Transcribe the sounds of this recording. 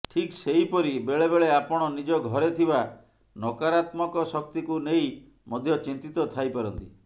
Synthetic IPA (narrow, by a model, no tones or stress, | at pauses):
ʈʰiksejpɔɾibeɭebeɭeapɔɽ̃ɔnid͡ʒɔɡʱɔɾet̪ʰiba | nɔkaɾat̪mɔkɔsɔk̚t̪ikunej | mɔd̪ʱjɔt͡ʃint̪it̪ɔt̪ʰajpaɾɔnt̪i